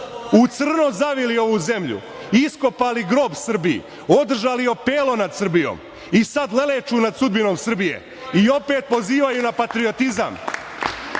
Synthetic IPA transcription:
ut̪sr̩no̞zaʋilio̞ʋuːze̞mʎṵ | isko̞paːliɡɾo̞ːbsr̩biḭ | o̞d̪r̩ʒaːlio̞peːlo̞nad̪sr̩bijo̰ːm | isad̪le̞let͡ʃuːnad̪sud̪bino̞ːmsr̩bije̞̰ | io̞pe̞ːt̪̚po̞ziːʋajunapat̪ɾiot̪iza̰m

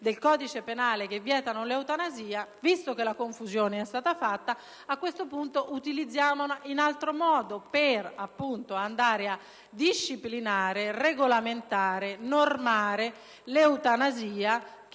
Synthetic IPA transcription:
d̪elkɔːd̪it͡ʃepenaːlek̟evːjɛːt̪anolewt̪anaziːavist̪okelakoɱfuzjoːneɛst̪aːt̪afat̪ːa | akːwest̪opunt̪oʔut̪ilid̪zːjaːmoninalt̪ɾomɔːd̪operapːunt̪oand̪aːɾea | d̪iʃːiplinaːɾereɡolament̪aːɾenormaːɾe | leut̪anaziːa

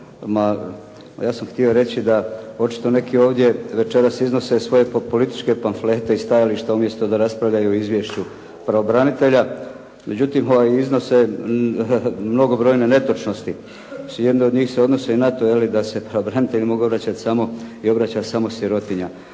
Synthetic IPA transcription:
ma | jaːsamxt̪io̞ɾe̞t͡ɕid̪ao̞t͡ʃi̥t̪o̞ne̞kio̞ːʋd̪je̞ʋe̞t͡ʃe̞ɾasizno̞se̞sʋo̞jepo̞lit̪i̥t͡ʃke̞panfle̞ːt̪e̞ist̪ajaliʃt̪eumje̞st̪o̞d̪aɾaspɾaʋʎajuizʋje̞ʃt͡ɕu | pɾaobɾanit̪e̞ʎa | mʔe̞d͡ʑut̪imo̞ʋajizno̞se̞ | mno̞ɡo̞bɾo̞jne̞ne̞t̪o̞t͡ʃno̞st̪i | suje̞d̪neo̞d̪ɲiːxse̞o̞d̪no̞senat̪o̞jelid̪ase̞pɾaʋobɾanit̪e̞ʎimo̞ɡo̞βɾat͡ɕat̪samo̞io̞bɾat͡ɕasamo̞sjiɾo̞t̪iɲa

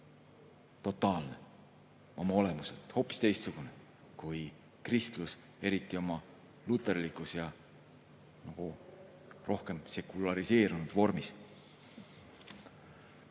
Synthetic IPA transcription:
t̪o̞t̪ˑːɑːlne | o̞mɑo̞le̞muset̪ho̞ːpːˑist̪e̞jst̪suɡ̥une̞ | kuj | krist̪lus | e̞ɾit̪ːˑio̞mɑ | lut̪ˑːe̞rlikˑusjɑ | nɑɡ̥u | rʔo̞hke̞mse̞kulɑɾise̞ːɾunud̪̥vo̞rmis

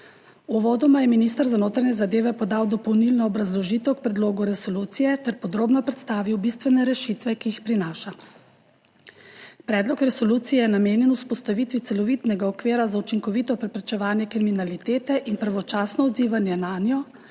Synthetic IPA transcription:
uʋɔːd̪ɔmajɛminist̪əɾzanoːt̪ɾanɛzad̪eːʋɛpɔd̪awd̪ɔpɔwnilnɔːbɾazlɔʒiːt̪ɛwk̚pɾɛd̪loːɡuɾɛsɔluːt̪sijɛt̪ɛɾpɔd̪ɾoːbnɔpɾɛt̪st̪aːʋiwbist̪ʋɛnɛɾɛʃit̪ʋɛkijixpɾinaːʃa | pɾɛːd̪lɔkɾɛsɔluːt̪sijɛjɛnameːnjɛnuspɔst̪aʋit̪ʋit̪sɛlɔʋiːt̪nɛɡaɔkʋeːɾazaut͡ʃiŋkɔʋit̪ɔpɾɛpɾɛt͡ʃɛʋaːnjɛkɾiminalit̪eːt̪ɛʔinpɾaʋɔt͡ʃaːsnɔɔd̪ziːʋanjɛnanjɔ

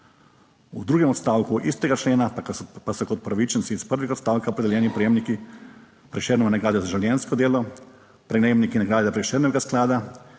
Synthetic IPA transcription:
ud̪ɾuːɡɛmɔt̪st̪aːwkuʔist̪ɛɡat͡ʃleːnapasɔkɔt̪̚pɾaʋit͡ʃɛnsiispəɾʋixot̪st̪aːwkaopɾed̪ɛljɛːnipɾejeːmniki | pɾɛʃeːɾnɛanaɡɾaːd̪jozaʒaljɛnskɔd̪eːlɔ | pɾɛɡneːbnikinaɡɾaːd̪jɛpɾɛʃeːɾnɛʋɛɡasklaːd̪a

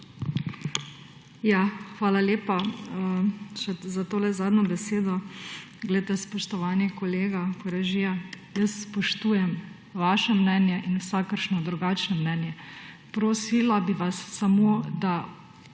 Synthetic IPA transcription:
jaxʋaːlaleːpaəʃɛzat̪oːlɛzaːd̪nɔbɛseːd̪ɔ | ɡlɛt̪ɛspɔʃt̪ɔʋanikɔleːɡakɔɾɛʒija | jəsːpɔʃt̪uːjɛm | ʋaːʃɛmnɛːnjɛʔinwsakəɾʃnɔd̪ɾuɡaːt͡ʃnɔmnɛːnjɛ | pɾoːsilabiʋasːamoːd̪a

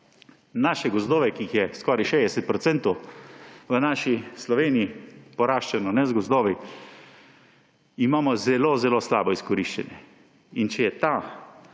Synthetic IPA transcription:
naːʃɛɡɔzd̪oːʋɛkiːxjɛskɔːɾiʃejd̪ɛsɛt̪̚pɾɔt̪sɛnt̪ɔw | ʋənaːʃislɔʋeːnijipɔɾaːʃt͡ʃɛnɔnɛzɡɔzd̪oːʋi | imaːmɔzɛlozɛloːslaːbɔiskɔɾiʃt͡ʃa̰njɛ | int͡ʃɛjɛt̪a

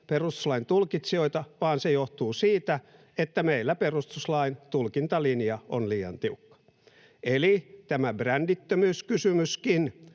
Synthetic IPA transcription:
perust̪u̥slɑint̪ulkit̪sio̞it̪ɑʋɑːnsejoht̪uːsiːt̪æ | et̪ːæmeilːæperust̪uslɑint̪ulkint̪ɑlinijɑonliːɑ̰nt̪iukːɑ̥ | elit̪æmæbrændit̪ːømyːskysymyskin

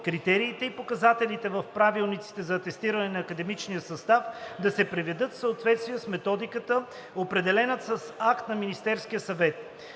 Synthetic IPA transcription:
kɾit̪ɛɾiːt̪ɛipokɐzat̪ɛlit̪ɛvəfpɾavilˠnit̪si̥t̪ɛzɐːt̪ɛst̪iɾənɛnɐːkəd̪ɛmit͡ʃnijəsɐst̪afd̪ɐsɛpɾɛvɛd̪ɤt̪fsəot̪vɛt̪st̪vijəsmɛt̪ɔd̪ikət̪ə | opɾɛd̪ɛlɛnət̪sɐsakt̪nɐminist̪ɛɾskijəsɐvɛt̪̚

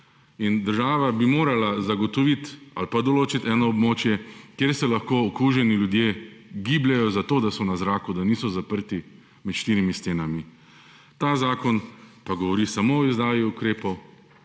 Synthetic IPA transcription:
ind̪əɾʒaːʋabimoːɾalazaɡɔt̪ɔʋit̪a̰lpad̪ɔloːt͡ʃit̪ɛːnɔɔbmoːt͡ʃjɛkjeɾsɛlaxkoːɔkuːʒɛniljud̪jeːɡiːblɛjɔzat̪oːd̪asɔnazɾaːkud̪aniːsɔzapəɾt̪i | mɛt̪ʃt̪iːɾimist̪eːnami | t̪aːzaːkɔnpaɡɔʋɔɾisamoɔizd̪aːjiukɾeːpɔw

